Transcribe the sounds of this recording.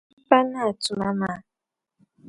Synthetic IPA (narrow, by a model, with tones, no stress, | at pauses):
pa˦na˦˨tu˨ma˦ma˦